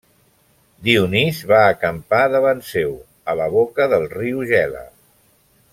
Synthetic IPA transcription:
d̪iunizβaːkəmpaðəβansew | ələβ̞okəðəlˠriuʒɛlə̰

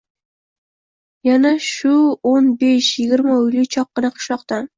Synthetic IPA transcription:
janaʃʊonbeʃjɪɡʲɪɾmaʊjlʲɪt͡ʃʰɒq̚ːɨnaqʰʊ̥ʃlˠɒqt̪an

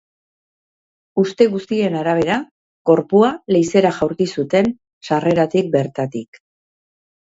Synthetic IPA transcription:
ust̪e̞ɣust̪ie̞naɾaβ̞e̞ɾa | ko̞ɾpuale̞jse̞ɾaʝawɾkisut̪e̞n | sare̞ɾat̪ik̚be̞ɾt̪at̪ik

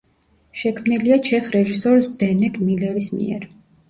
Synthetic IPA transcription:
ʃɛkʰmniliat͡ʃʰɛχɾɛʒisɔɾsd̪ɛnɛkmilɛɾismḭɛ̰ɾ

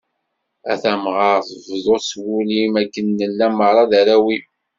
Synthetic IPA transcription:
æ̰θæmʁɑɾθvðˤoswulimækːənːəlːæmːəɾˤɑðæɾæwi

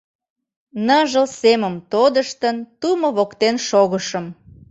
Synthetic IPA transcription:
nəʒəlseməmt̪od̪əʃt̪ənt̪uməβokt̪enʃoɣəʃəm

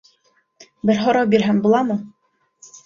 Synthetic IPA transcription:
bɘɾɦɑɾɑwbiɾɦæŋbulˠɑmɤ

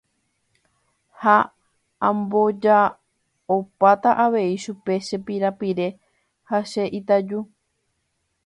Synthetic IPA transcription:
ha | ãmbo̞d͡ʒa | opat̪aʔaʋe̞iʃupe̞ʃe̞piɾapiɾe̞ | haʃe̞ʔit̪ad͡ʒu

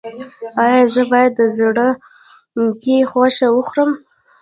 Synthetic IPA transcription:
ɑjɑzəbɑjad̪ːəzɽə | ɡexwaʃawəxɾəm

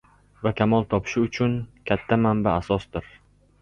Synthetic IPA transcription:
vakʲʰamɒlˠt̪ʰɒpʰɪ̥ʃɪʊt͡ʃʰʊnkʲʰat̪ʰːamanbaːsɒsd̪ɪɾ

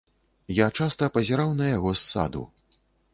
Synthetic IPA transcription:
jat͡ʂast̪ɐpɐzʲaɾawnɐjaɣɔsːa̰d̪ṵ

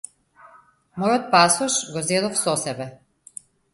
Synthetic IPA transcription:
mɔjɔt̪̚pasɔʃɡɔzɛd̪ɔfsɔsɛbɛ

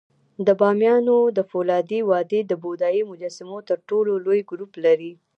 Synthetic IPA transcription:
d̪əbɑmjɑnod̪əfolɑd̪ewɑd̪ed̪əbod̪ɑimʊd͡ʒasɪmot̪əɾʈololojɡɾuplaɾi

